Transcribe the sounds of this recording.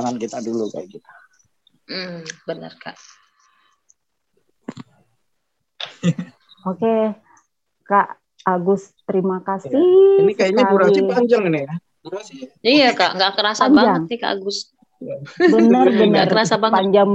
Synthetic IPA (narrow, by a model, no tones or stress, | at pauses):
aŋankit̪aduluka̰jkit̪ḁ | bənə̰rka̰ʔ | oke | kaʔ | aɡʊst̪əɾimakasiiniskainiauɾaŋsiaɲd͡ʒaŋinija | ɾasijaka̰ʔŋɡaʔkəɾasaɲbad͡ʒaŋika̰ʔa̰ɡʊs | bənərbənarkəɾasabapaɲd͡ʒaŋ